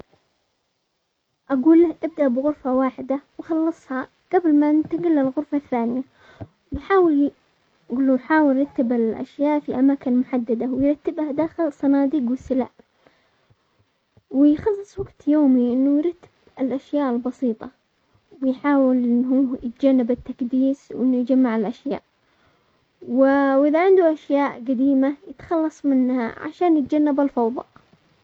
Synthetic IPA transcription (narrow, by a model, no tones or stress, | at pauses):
ʔaɡuːlahʔɪb̚d̪aʔbɣʊɾfawaːħɪd̪awxɑlːɑsˤhɑ | ɡ̥ablmaʔɪnt̪aɡɪlːalɣʊɾfaθːaːnɪja | wħaːwɪl | ɡulːujħaːwɪlɾˤɑt̪ːabalʔa̰ʃjaːʔfiʔamaːkɪnmʊħad̪ːad̪awɪjɾˤɑt̪ːɪbhad̪aːxɪlsˤɑnɑːd̪iːɡwɪsɪla̰ʔ | wɪjxɑlːɨsˤwaɡt̪joːmiʔɪnːujɾˤɑt̪ːḁb̥ɪlʔaʃjaːʔɪlbɑsiːt̪ˤɑ | wɪjħaːwɪlɪɦujɪt̪d͡ʒanːɪbɪt̪ːakd̪iːswʔɪnːujd͡ʒamːaʕɪlʔaʃja̰ːʔ | wɪwʔɪðaʕɪnd̪uʔaʃjaːʔɡad̪iːmajɪt̪xɑlːɑsˤmɪnha̰ʕa̰ʃaːnjɪt̪̚d͡ʒanːabalfɑwðˤɑ̰ʔ